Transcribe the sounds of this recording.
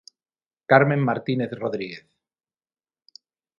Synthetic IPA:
kaɾmẽ̞mːaɾt̪ineθroðɾiɣeθ

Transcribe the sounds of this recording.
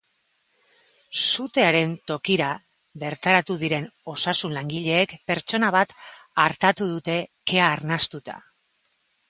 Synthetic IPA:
sut̪e̞aɾe̞nt̪o̞kiɾa | βe̞ɾt̪aɾat̪uð̞iɾe̞no̞sasunlaŋɡiʎe̞ːkpe̞ɾt͡ʃo̞naβat̪aɾt̪at̪uðut̪e̞ke̞aːɾnast̪ut̪a̰

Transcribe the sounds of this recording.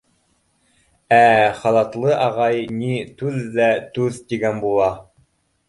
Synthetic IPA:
æχɑlˠɑt̪lˠɤʔɑʁɑjnit̪ʉðːæt̪ʉðt̪iɡænbulˠɑ

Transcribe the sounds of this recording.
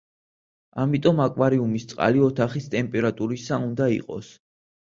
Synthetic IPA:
amit̪ʼɔmakʼwaɾiumist̪sʼqʼa̰liɔt̪ʰaχist̪ʼɛmpʼɛɾat̪ʼuɾisaund̪aḭqʼɔ̰s

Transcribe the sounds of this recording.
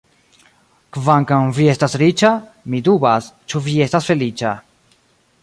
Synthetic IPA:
kvaŋkawviest̪asɾit͡ʃa | mid̪ubast͡ʃuviest̪asfelit͡ʃa

